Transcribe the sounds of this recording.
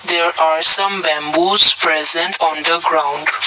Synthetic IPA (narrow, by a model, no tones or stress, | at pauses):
d̪eːɾaːɾsʌ̃mbɛ̃mbuːzpɾɛzɛ̃ɳʈɔ̃ːnd̪əɡɾãʊ̃ɳɖ